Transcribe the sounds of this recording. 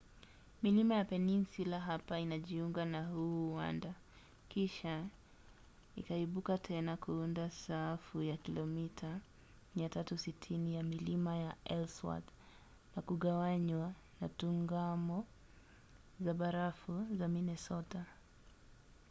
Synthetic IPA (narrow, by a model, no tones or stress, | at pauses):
milimajapɛninsulaɦapainaʄiuŋɡanahuːwa̰nda | kiʃa | ḭkaiɓukatʰɛnakʰuundasafujakilɔmitʰa | miatatusitʰinijamilimajaɛlswa̰d | nakuɠawaɲwa | natuŋɡamɔ | zaɓaɾafuzaminɛsɔta